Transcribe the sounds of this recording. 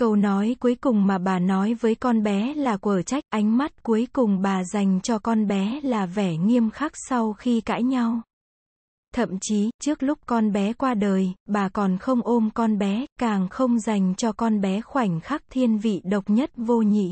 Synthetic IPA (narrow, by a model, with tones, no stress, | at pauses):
kə˧wnɔ˨˦jku˨˦əjkʊ˨˩ŋ͡mmaː˨˩ɓaː˨˩nɔ˨˦jvəː˨˦jkɔ˧nɓɛ˨˦laː˨˩kwəː˧˩t͡ɕa˦˥jk̟̚ʔa˨˦jŋ̟ma˦˥t̚ku˨˦əjkʊ˨˩ŋ͡mɓaː˨˩za˨˩jŋ̟t͡ɕɔ˧kɔ˧nɓɛ˨˦laː˨˩vɛ˧˩ŋi˧əmxaː˦˥k̚sa˧wxi˧ka̰ː˧˥jɲa˧w | t̪ʰə̰˧˨mt͡ɕi˨˦t͡ɕɨ˦˥ək̚lʊ˦˥k͡p̚kɔ˧nɓɛ˨˦kwaː˧ɗəː˨˩jɓaː˨˩kɔ˨˩nxə˧wŋ͡mʔo˧mkɔ˧nɓɛ˨˦kaː˨˩ŋxə˧wŋ͡mza˨˩jŋ̟t͡ɕɔ˧kɔ˧nɓɛ˨˦xwa˧˩jŋ̟xaː˦˥k̚t̪ʰi˧ənvḭ˧˨ɗə˨˩wk͡p̚ɲə˦˥t̚vo˧ɲḭ˧˨